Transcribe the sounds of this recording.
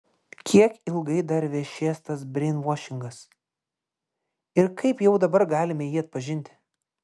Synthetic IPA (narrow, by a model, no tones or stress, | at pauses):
kʲʰiɛkɪlˠɡɐɪd̪ɐɾʋʲɛʃʲeːst̪ɐsbʲɾʲɪnʋɔːʃʲɪŋɡɐs | ɪɾkʰɐɪpjɛʊd̪ɐbɐɾɡɑːlʲɪmʲɛjiːɐt̪̚pɐʒʲɪnʲt̪ʲɪ̥